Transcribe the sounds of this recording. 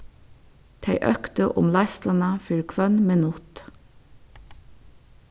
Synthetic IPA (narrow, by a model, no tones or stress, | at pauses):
t̪ʰæɪʔœkt̪əʔʊ̰mlɑɪst̪lɑnɑfʏlkʰʋœnmeːnʊt̪